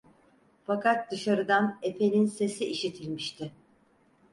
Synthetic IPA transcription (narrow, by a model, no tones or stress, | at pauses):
fakʰat̪̚d̪ɯʃaɾɯd̪ane̞pʰe̞nʲinse̞siʔiʃit̪ʰilʲmiʃt̪ʰɪ